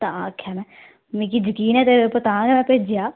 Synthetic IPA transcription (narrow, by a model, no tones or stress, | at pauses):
t̪ãːkʰːjaːmɛ̃ː | mĩːkiːd͡ʒəkiːnɛ̃ːt̪eːɾpət̪ãːɡɛːmɛ̃ːpeːd͡ʒɪjaː